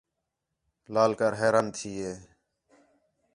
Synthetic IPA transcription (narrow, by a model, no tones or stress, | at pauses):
laːlkəɾɦeːɾaːnt̪ʰiːɦeː